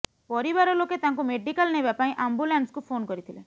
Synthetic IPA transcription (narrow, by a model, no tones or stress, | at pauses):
oɾiʋɐɾɐloket̪ɐŋkumeɖikɐlneʋɛpɐjʔɐmbulɐɳʈskupʰoːnkoɾit̪ili